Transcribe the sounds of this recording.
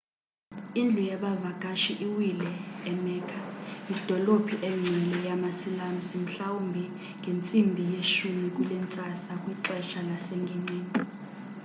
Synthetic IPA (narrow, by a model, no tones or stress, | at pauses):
ind͡ɮʱujaɓavakʼaʃiʔiwilɛːmɛːkʰaid̥ʱɔlopʰiʔɛŋ͡ǀʱɛlɛjamasilam̩sim̩ɬawumbʱi | ŋɡʱent͡sʼimbʱijeʃumik̬ʼulɛnt͡sʼasakʼwiǃɛʃalaseŋɡʱiŋ͡ǀeːni